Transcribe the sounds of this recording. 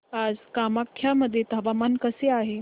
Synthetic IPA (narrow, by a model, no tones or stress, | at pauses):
ad͡zkamakʰjaməd̪ʱːjet̪ɦɐʋamankəseaɦe